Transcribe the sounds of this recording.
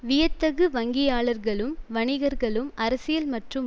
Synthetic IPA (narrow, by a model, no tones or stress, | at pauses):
ʋɪjɐt̪ːɐɣɯʋɐŋɡɪjaːɭɐɾɣɐɭɯmʋɐɳɪɣɐɾɣɐɭɯmʔɐɾɐsɪjɐlmɐʈrɯm